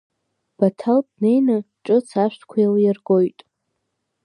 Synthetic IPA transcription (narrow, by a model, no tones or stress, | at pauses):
b̥atʰaldne̞jnɨʈ͡ʂʼɨt͡sʰaʃʷtʰkʷʰajaljarɡo̞jtʼ